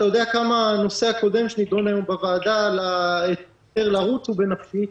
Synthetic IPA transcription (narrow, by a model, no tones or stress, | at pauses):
t̪ajo̞d̪eakamano̞seako̞d̪e̞mʃenid̪onajombavaːd̪alaet | eʁlaʁut͡subenafʃi